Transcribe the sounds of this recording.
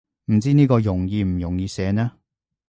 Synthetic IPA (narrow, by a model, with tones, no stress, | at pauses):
m̩˨˩t͡siː˥niː˥kɔː˧jʊ˨˩ŋjiː˨˧m̩˨˩jʊ˨˩ŋjiː˧sɛː˨˧nɛː˥